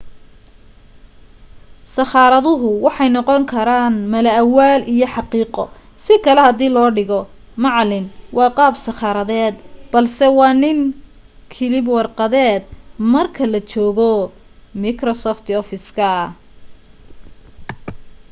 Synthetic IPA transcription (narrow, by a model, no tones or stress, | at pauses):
sɐxɑːɾɐðʊɦʊwɑħɑjnɔqɔŋkʰɐɾaːnmɐlɐʔɐwaːlʔijɔħɑqiːqɔ̰ | sɪkʰɐlɛhɐd̪iːlɔːɖɪɣɔ | mɑʕlɪnwɑːqɑːbsɑχɑːɾɐðɛːd̪b̥ɐlsɛwɑːnɪŋ | kʰɪlɪbwɑrqɐðɛːd̪̚mɐrkʰɐlɐt͡ʃɔːɣɔ | mikrɔsɔːft̪ʰɔfɪskʰɐ